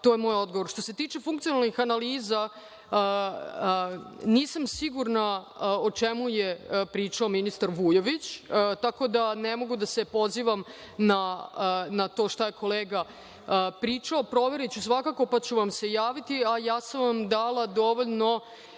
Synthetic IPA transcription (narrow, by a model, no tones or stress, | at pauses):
t̪o̞jemo̞ːjo̞d̪̚ɡoʋo̞ɾʃt̪o̞se̞t̪iːt͡ʃe̞fuŋkt̪sijonalnixanaliːza | niːsamsiɡuɾnaot͡ʂemujepɾiːt͡ʂaominist̪aɾʋujoʋit͡ɕt̪ako̞d̪anemo̞ɡud̪ase̞po̞ziːʋam | na | nat̪o̞ːʂt̪ajekʰo̞leːɡa | pɾiːt͡ʂaopɾo̞ʋe̞ɾet͡ɕusʋakako̞pat͡ɕuʋamse̞jaːʋit̪iajaːsamʋamd̪aːlad̪o̞ʋo̞ʎno̞